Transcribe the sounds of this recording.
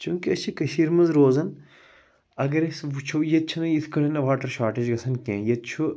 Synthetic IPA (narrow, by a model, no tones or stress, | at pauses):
t͡ʃũːkiɐst͡ʃʰikɐʃiːɾmɐnzɾoːzɐn | ɐɡɐɾesʋut͡ʃʰojɐt͡ʃʰunɐjit̪ʰkɐɽɐnɐʋaːʈɐɾʃaːʈeːd͡ʒɡɐsʰɐnkẽːjɐt̪̚t͡ʃʰu